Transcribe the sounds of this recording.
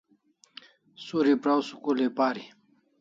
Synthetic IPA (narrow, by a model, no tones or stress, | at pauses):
suɾipɾawsu̥kulepaːɾi